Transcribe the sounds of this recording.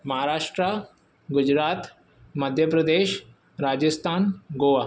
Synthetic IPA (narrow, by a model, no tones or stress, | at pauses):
mɐɦaɾaːʂʈɾa | ɡʊd͡ʑɾaːt̪ | mɐd̪ʱjəpɾɐd̪eːʃ | ɾaːd͡ʒəst̪ʰaːnɡoːʋa